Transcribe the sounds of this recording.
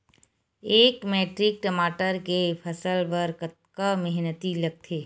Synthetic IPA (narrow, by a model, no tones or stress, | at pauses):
eːkmeːʈɾɪk̚ʈəmaːʈəɾkepʰɐsəlpəɾkət̪̚kamɛɦnət̪ilɐɡ̚t̪ʰeː